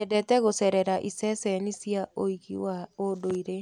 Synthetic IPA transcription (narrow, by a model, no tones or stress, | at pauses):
edɛtɛɣosɛɾɛɾaʔisɛsɛnisiaoiɣḭwaodoiɾe